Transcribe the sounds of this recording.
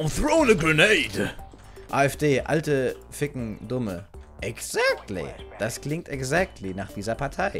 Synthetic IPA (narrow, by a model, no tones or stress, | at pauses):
θɹoʊ̃nəɡɹəneɪd | ʔaːɛfd̥eːʔa̰ltə | fɪkŋ̩dʊməʔɛɡz̥ak̚tʰlḭd̥askl̥ɪŋ̚tɛɡzɛk̚tʰlinaːχd̥iːzɐpʰaɐtʰaɪ